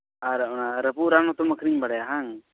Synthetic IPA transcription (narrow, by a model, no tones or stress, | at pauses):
aɾɔnaɾəpuʔɾanɔt̪ɔməkʰɾiɲbaɽɛjaɦaŋ